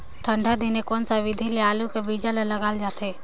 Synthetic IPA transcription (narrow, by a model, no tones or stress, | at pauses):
ʈʰəɳɖʱad̪inekoːnsaʋɪd̪ʱileaːlukebid͡ʒaleləɡaːld͡ʒaːt̪ʰe